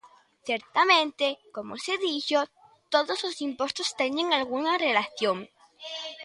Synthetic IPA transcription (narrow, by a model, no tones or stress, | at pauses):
θjeɾt̪amẽnt̪ekomo̰seðiʝo | t̪oðoslosimpwe̞st̪ost̪eneŋalɣ̞unarelaθjoŋ